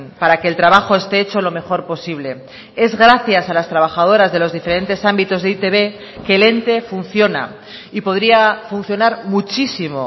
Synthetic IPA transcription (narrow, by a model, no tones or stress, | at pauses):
npaɾake̞ːlt̪ɾaβaxo̞e̞st̪e̞et͡ʃo̞lo̞me̞xo̞ɾpo̞siβ̞le̞ | e̞zɣɾaθjasalast̪ɾaβ̞axaðo̞ɾazðe̞lo̞zðife̞ɾe̞nt̪e̞sambit̪o̞zðeit̪e̞βe̞ | ke̞le̞nt̪e̞fun̟θjo̞na̰ | ipo̞ðɾiafunθjonaɾmut͡ʃisimo̞̰